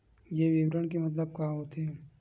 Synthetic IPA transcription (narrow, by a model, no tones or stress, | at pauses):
jeʋɪʋɾəɳ̃kemɐt̪̬ləb̚kaːɦot̪ʰeː